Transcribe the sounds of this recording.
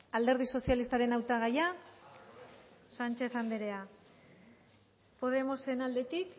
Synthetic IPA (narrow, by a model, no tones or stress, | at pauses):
ald̪e̞ɾð̞iso̞sialist̪aɾe̞nawt̪aɣaja | sant͡ʃe̞θand̪e̞ɾe̞a | po̞ð̞e̞mo̞senald̪e̞t̪ik